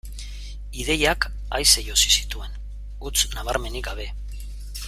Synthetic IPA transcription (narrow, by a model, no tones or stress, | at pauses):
iðe̞jak | ajsejo̞si̥si̥t̪ue̞n | ut͡snaβ̞aɾme̞niɡaβ̞e̞